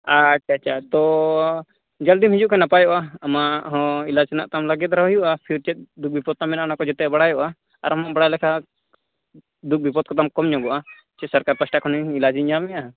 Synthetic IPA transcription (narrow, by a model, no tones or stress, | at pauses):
aat͡ʃʰat̪ɔ | d͡ʒald̪imɦid͡ʒuʔkɛnapajɔʔaːmaɦɔ̃ilasɛna̰ʔt̪amlaɡɛt̪̚ɾaɦjuʔapʰiɾt͡ʃɛt̪̚d̪uk̚bipɔd̪̚t̪amɛnaʔnakɔd͡ʒɛt̪ɛbaɽajɔʔaː | ɾamaʔbaɽalɛkʰa | d̪uk̚bipɔt̪̚kɔt̪amkɔmɲɔɡɔʔa | t͡ʃɛsɐɾkaɾpasʈakʰɔniilad͡ʒiɲd͡ʒamɛʔa